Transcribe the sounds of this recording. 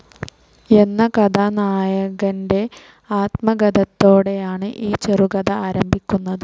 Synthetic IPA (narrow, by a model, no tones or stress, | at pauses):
e̞nːɐkɐd̪anaːjɐɣɐnde̞ | aːt̪mɐɡɐd̪ɐt̪ːo̞ːɽe̞jaːɳɨʔiːt͡ɕeruɡɐd̪ɐaːɾɐmbʱikʲːunːɐðɨ